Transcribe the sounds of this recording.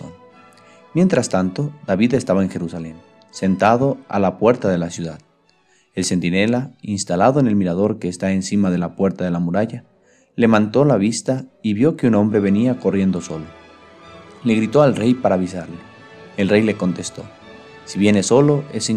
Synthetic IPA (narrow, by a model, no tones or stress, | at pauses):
on | mje̞nt̪ɾast̪ant̪oðaβiðe̞st̪aβae̞ŋxe̞ɾusale̞n | se̞nt̪að̞o̞a̰lapwe̞ɾt̪aðe̞lasjuðað | e̞lse̞nt̪ine̞lainst̪alaðoe̞ne̞lmiɾaðo̞ɾke̞ːst̪ae̞nsimaðe̞lapwe̞ɾt̪aðe̞lamuɾaʝa | le̞βant̪o̞laβ̞ist̪aiβjo̞keuno̞mbɾe̞βe̞niako̞rje̞nd̪o̞so̞lo | le̞ɣɾit̪o̞alre̞jpaɾaːβisaɾle | elre̞jle̞ko̞nt̪e̞st̪o̞̰ | siβje̞ne̞so̞lo̞else